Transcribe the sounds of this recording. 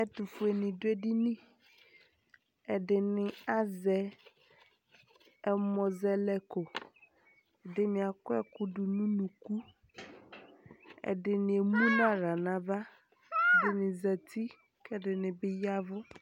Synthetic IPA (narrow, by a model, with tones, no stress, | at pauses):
ɛ˦t̪u˨fu˨e˨nĩ˨dʊ˦e˦ɖi˦nĩ˦ | ɛ˨ɖɪ˨nɪ̃˨a˦zɛ˨ | ɛ˨mɔ̃˨zɛ˦˨lɛ˦ko˨ | ɛ˨dɪ˦mɪ̃˨a˨kʊ˦ɛ˦kʊ˦ɖʊ˨nũ˦nũ˨ku˦ | ɛ̰˨dɪ˨nɪ̃˨e˨mũ˦nã˦ɾa˨nã˨va˦˨ | dɪ˨nɪ̃˨zɛ˨t̪i˦ | kɛ˦dɪ˨nɪ̃˨bɪ˦ja˦vʊ˦